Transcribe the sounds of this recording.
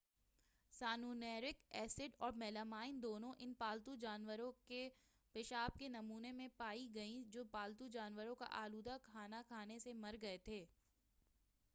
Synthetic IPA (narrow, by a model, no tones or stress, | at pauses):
saːnuːnɛːɾɪkɛːsɪɖɔːɾmɛːləmaːɪnd̪oːnõʔɪnpaːlt̪ud͡ʒaːnʋəɾõke | pɪʃaːb̚kenɐmuːnemẽpaːiɡɐĩd͡ʒoːpaːlt̪ud͡ʒaːnʋəɾõka̰ʔaːluːd̪akʰaːnakʰaːnesemɐɾɡɐet̪ʰeː